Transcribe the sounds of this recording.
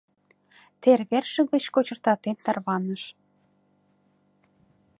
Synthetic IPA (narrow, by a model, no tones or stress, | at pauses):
t̪erβerʃə̆ɣə̆t͡ɕkot͡ɕə̆rt̪ɑt̪ent̪ɑrβɑnəʃ